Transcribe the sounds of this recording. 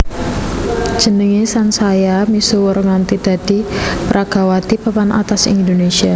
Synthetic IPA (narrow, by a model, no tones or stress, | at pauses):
ʒ̥ə̤nəŋesansajamisowəɾŋant̪id̪̥a̤d̥i̤pɾʔaɡ̥a̤wat̪ipəpanʔa̰t̪asḭndonesia